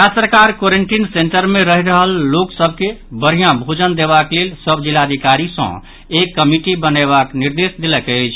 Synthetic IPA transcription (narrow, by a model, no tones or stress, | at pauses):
asəɾkaɾkoɾeɳʈinseɳʈəɾmẽɾəɦiɾəɦəlːoksəb̚ʱkebəɾ̤ijãbʱod͡ʒənd̪eβaklelsəbʱd͡ʒilad̪ʱikaɾisə̰̃ | ekːəmiʈibəneβakniɾd̪esd̪eləkəɪt͡ʃʰ